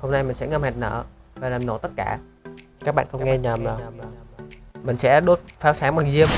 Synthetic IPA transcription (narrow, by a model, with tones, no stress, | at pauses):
ho˧mna˧jmï˨˩ŋ̟sɛ̰˧˥ŋə˧mhɛ˨˩t̚nə̰ː˧˨ | vaː˨˩laː˨˩mno̰˨˧˩t̪ə˦˥t̚kaː˧˩ | kaː˦˥k̚ɓa̰ː˧˨xə˧ŋ͡mŋɛ˧ɲəː˨˩məː˨˩˨mï˨˩ŋ̟sɛ̰˧˥ɗo˦˥t̚faː˨˦˥wsaː˨˦ŋɓaː˨˩ŋzi˧əm